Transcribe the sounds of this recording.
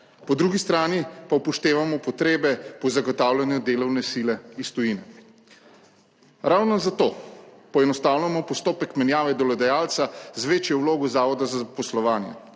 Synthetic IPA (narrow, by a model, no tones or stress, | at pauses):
pɔd̪ɾuːɡist̪ɾaːnipawpɔʃt̪eːʋamɔpɔt̪ɾeːbɛpɔzaɡɔt̪awlʲanjud̪eːlɔwnɛsilɛist̪ɔjinɛ | ɾawnɔzat̪oːpɔɛnɔst̪aːwnamɔpɔst̪oːpɛkmɛnjaːʋɛd̪ɔlɔd̪ɛjaːlt̪sazʋeːt͡ʃjɛwloːɡɔzaːʋɔd̪azazapɔslɔʋaːnjɛ̰